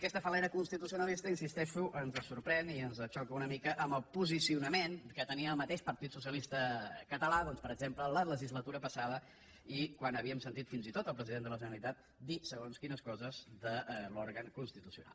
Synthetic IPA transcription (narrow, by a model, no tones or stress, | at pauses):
kɛst̪əfəlɛɾəkunst̪it̪us̬iunəlist̪əinsist̪ɛʃuʔənzəsuɾpɾɛniənzət͡ʃɔkəunəmikəʔəmbəlˠpuzisiunəmenkət̪əniəːlˠmət̪eʃpəɾt̪it̪susijəlist̪əkət̪əlaðɔnspəɾəɡzemplələləʒizlət̪uɾəpəsaðə | ikwanəβiəmsənt̪it̪finzit̪ot̪əlˠpɾəziðend̪ələʒənəlit̪at̪̚ | d̪isəɣonskinəskɔzəzd̪əloɾɣəŋkunst̪it̪usiuna̰lˠ